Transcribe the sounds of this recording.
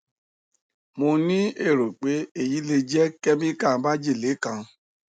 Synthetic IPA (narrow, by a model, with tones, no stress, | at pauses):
mo˧nĩ˦e˦˨ɾo˨k͡pe˨˦e˦˨ji˨˦le˧d͡ʒɛ˦kɛ˦mĩ˦ka˦˨˦ba˦d͡ʒe˦˨le˨˦kã˧